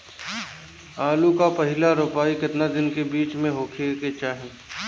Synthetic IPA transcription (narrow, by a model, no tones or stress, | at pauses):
aːlukapɐɦɪlaɾʊpaːikɪt̪nad̪ɪnkebiːt͡ʃmẽɦoːkʰeket͡ʃaːɦẽː